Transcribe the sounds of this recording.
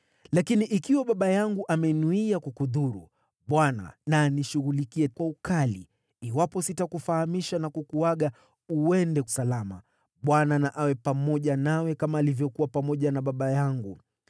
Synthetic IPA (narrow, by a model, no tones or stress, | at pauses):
lakiniʔikiwaɓaɓajaŋɡuʔamɛnuiakukuðuɾṵ | ɓwana̰naniʃuɣulikiɛkwaukalḭː | wapɔsitakufahamiʃanakukuwaɠa | uwɛndɛku̥salama̰ | ɓwananaʔawɛpamɔʄanawɛkamaːlivjɔkuwapamɔʄanaɓaɓajaŋɡu